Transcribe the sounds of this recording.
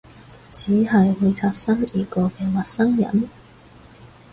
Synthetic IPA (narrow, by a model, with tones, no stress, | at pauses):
t͡sʰiː˨˥hɐ˨jwu˧jt͡sʰaː˧t̚sɐ˥ŋjiː˨˧kɔː˧kɛː˧wɐ˨t̚sɐ˥ŋjɐ̰˨˩n